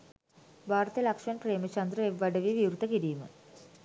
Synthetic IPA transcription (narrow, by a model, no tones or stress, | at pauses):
bʱaːɾt̪əjəlɐkʂmanpreːmət͡ʃɐnd̪ɾəeʋːɐɖəʋiʋiuɾut̪əkiɾiːmə̰